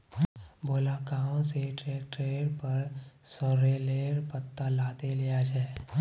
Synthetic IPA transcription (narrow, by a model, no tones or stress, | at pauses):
boːlakaːõseʈɾeːkʈɾeːɾpəɾsɔɾeleːɾpət̪ːalaːt̪elijat͡ʃʰɛː